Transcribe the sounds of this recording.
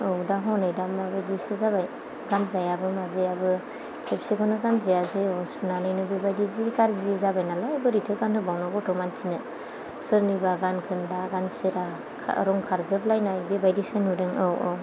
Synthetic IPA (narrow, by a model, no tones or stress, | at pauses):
ɯwdaɦɔnɯjdamabɯdisɯzabaj | ɡanzajabɯmazeabɯ | pʰepsekʰɔnɯɡanzijazɯɔsunanɯjnɯbebajdizikaɾziezabajnalajabɯɾitʰɯɡanhɯbawnɔɡɔtɔmantʰinɯ | sɯɾnɯbaɡankʰɯndaɡansɯɾa̰ | ɾɔŋkʰaɾzɯblajnajbebajdisɯnudɯŋɔwɔ